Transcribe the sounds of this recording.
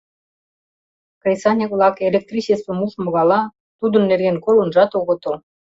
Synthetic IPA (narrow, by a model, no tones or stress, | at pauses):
kresɑnʲekvlɑkelʲek̚t̪rʲit͡ɕest̪ə̆muʃmŏɣɑlɑ | t̪ud̪ənːerɣenkolənʒɑt̪oɣə̆t̪ə̆l